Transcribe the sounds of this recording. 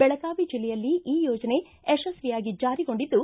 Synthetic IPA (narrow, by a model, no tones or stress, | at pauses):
bɛɭɐɡaːʋid͡ʒilːɛjɐlːiʔiːjoːd͡ʒɐne̞ | eʃɐsʋijaːɡid͡ʒaːɾiɡo̞ɳɖid̪ːu